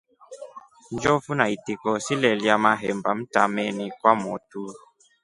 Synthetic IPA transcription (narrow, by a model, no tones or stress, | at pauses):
nd͡ʒɔfunaitikɔsilɛljamaɦɛmbam̩ta̰mɛnikwamɔtu